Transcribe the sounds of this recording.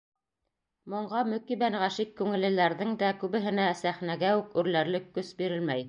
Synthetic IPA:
mŏɴɢɑmɵ̆kibænʁæʃikːʉŋɘ̆lɘ̆læɾðɘŋd̪ækʉβɘ̆ɦɘ̆næsæχnæɡæʉkʉɾlæɾlɘkːɵsbiɾɘlmæj

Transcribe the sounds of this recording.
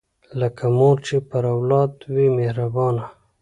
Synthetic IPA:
lakʰamoɾt͡ʃepaɾawlɑːd̪wimehɾabɑːna

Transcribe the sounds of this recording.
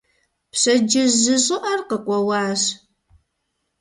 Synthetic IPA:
pɕɐd͡ʒɪzɨʑʼɨʔɐrqəkʷʼɔwaːɕ

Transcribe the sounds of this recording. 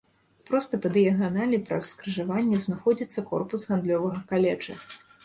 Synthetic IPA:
pɾɔst̪ɐpɐd̪ɨjɐɣanalʲipɾɐ̰sːkɾɨʐavanʲːɛznaxɔd͡zʲit̪sːɐkɔ̰rpusɣand̪lʲɔvɐɣɐkalʲɛd͡ʐɐ̰

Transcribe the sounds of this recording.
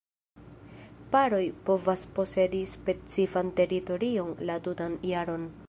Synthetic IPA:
paɾo̞jpo̞vaspo̞se̞dispe̞t͡sifante̞ɾito̞ɾio̞nlatutanjaɾo̞n

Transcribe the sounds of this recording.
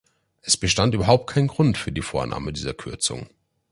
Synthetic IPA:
ʔɛsb̥əʃtantʔyːbɐɦaʊp̚t̚kʰaɪnənɡʁʊntfyːɐdiːfoːɐnʔa̰ːmədiːzɐkʰʏɐt͡sʊ̰ŋ

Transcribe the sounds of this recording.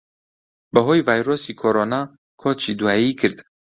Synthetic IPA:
bəɦoːjvaːjɾoːsikʰoɾoːnɑː | kʰoːt͡ʃid̪uaikʰɨɾd̪

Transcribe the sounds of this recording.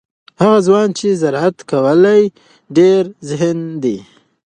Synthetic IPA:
haɣazwɑnt͡ʃezaɾat̪kawəlaj | ɖeɾzɪɦnd̪i

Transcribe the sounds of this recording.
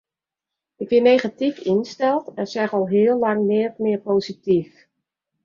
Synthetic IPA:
ɪkjɪnejχatifinstɛlˠtɛnsɛχɔlˠɦɪːəlˠlɑŋnɪətmɪəɹpoːzitif

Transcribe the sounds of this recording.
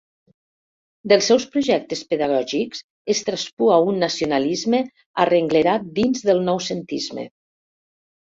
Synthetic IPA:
d̪əlˠsɛwspɾuʒɛk̚t̪espəðaɣ̞ɔʒikz̥ | est̪ɾaspuaunːasiunalizme | arəŋɡləɾat̪̚d̪inzðəlˠnɔwsənt̪izmḛ

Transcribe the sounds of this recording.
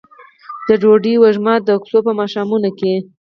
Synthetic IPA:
d̪əɖoɖiwəʒmɑd̪əksopəmɑʃɑmunoke

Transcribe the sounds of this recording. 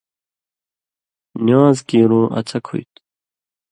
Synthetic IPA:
njaːzkiːɾõːʔɐ̰t͡sʰɐkʰṵjt̪

